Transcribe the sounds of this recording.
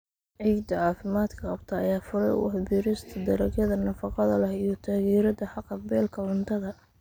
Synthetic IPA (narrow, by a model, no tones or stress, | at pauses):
ʕiːɡd̪ɐʕɑːfɪmaːd̪kʰɐqɑbt̪ʰɐɐjaːfʊɾɛ̰j̰wɑħbiːɾɪst̪ʰɐd̪ɐɾɐɡɐðɐnɐfɑqɑðɐlɐhijɞt̪ʰaːɣiːɾɐd̪ɐħɑqːɑbɛːlkʰɐʕʊnt̪ʰɐðɐ